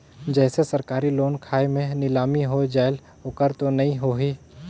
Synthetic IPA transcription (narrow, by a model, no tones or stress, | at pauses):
d͡ʒɛːsesɐɾkaːɾiloːnkʰaːjmẽnɪlaːmiɦod͡ʒaːɪl | okəɾt̪onɐɦĩɦoːɦiː